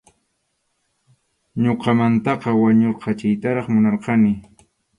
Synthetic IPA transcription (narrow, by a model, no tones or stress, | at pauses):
ɲoqɑmant̪ɑqɑwaɲoɾqɑt͡ʃajt̪aɾɑχmʊnɑɾqɑnɪ